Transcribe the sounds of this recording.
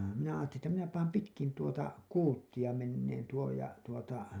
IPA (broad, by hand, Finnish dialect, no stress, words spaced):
minæ ɑːtːelin etːæ minæ pɑːm pitkin tuotɑ kuːtːij̆ɑ menːeːn tuoj jɑ tuotɑ